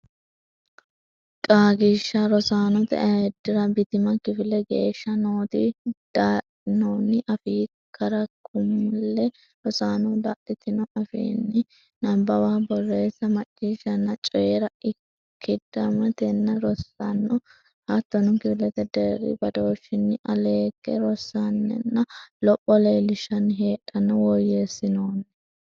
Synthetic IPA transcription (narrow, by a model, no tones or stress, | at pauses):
kʼaːɡiʃːɐɾɔsaːnɔt̪ɛ̰ʔɐɛd̪ːɪɾɐbɪt̪ɪmɐkɪfɪlːɛɡḛːʃːɐnoːt̪ɪ̰d̪̥aːʔ | ɪnoːnːɪʔɐfiː | kʰɐɾɐkʰʊmʊlːɛ | ɾɔsaːnɔd̪aːʔɪt̪ːɪnɔʔɐfḭːnːɪ | nɐbːɐwaːbɔrːe̞ːsːɐmɐt͡ʃʼːiːʃɐnːɐt͡ʃʼɔjɛɾɐɪ | kʰːɪd̪ɐmɐt̪ɛnːɐɾɔsːanːɔ | hat̪ːɔnʊŋkɪbɪlɛt̪ɛd̪eːɾɪ̰bɐd̪oːʃɪnːɪʔɐleːkːɛ̰ɾɔsːanːɛ̰nːɐlɔpʼːɔleːlɪʃɐnɦe̞ːᶑɐnɔwɔjeːsːɪnoːnɪ